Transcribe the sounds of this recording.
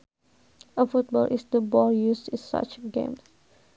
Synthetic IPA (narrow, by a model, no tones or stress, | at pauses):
əfut̚bɔlʔisdəbɔljusĩsa̰t͡ʃɡḛ̃ms